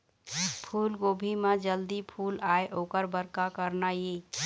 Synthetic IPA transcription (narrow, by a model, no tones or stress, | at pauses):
pʰulɡobʱimed͡ʒəld̪ipʰulaeʔokəɾbəɾkakəɾnaji